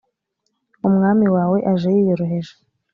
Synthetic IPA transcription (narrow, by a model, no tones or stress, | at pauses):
umŋaːmiwaːwe̞ʔaʒejijoɾoɦeʒe̥